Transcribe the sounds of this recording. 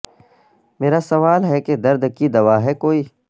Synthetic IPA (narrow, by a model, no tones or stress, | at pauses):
meːɾasɐʋaːlɦɛked̪ɐɾd̪kid̪ɐʋaːɦɛkoːiː